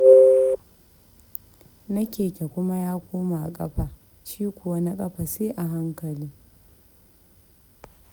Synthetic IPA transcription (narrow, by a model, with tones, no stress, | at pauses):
nɐ˦kʲeː˨kʲe˨kʷʊ˦ma˦jaː˦kʷoː˦ma˨ʔa˨kʼɐ˦ɸa˨ | ʃiː˦kʷʊ˨wa˦na˦kʼɐ˦ɸa˨seː˦ʔa˨ɦa˦ŋkɐ˨liː˦